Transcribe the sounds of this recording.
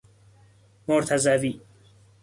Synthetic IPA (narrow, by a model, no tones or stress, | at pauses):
moɾt̪ʰæzæviː